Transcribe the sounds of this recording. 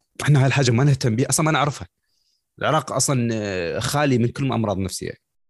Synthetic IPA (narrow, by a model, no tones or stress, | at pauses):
ʔħɪnːahaːðilħaːd͡ʒːamanɪht̪amːbiːʔɑsˤlɑmanɪʕɾɪfha | ɪlʕɪɾɑːqʔɑsˤlɑnxaːlimɪnkʊlːmaʔɑmɾˤɑːðˤnafsɪ̰jːa̰